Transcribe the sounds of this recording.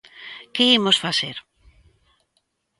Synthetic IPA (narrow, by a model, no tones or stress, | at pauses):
keimosfaseɾ